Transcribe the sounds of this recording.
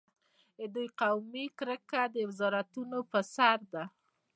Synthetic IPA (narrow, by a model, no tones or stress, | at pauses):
əd̪ujqawmikɾəkad̪əwɪzɑɾat̪unopəsaɾd̪a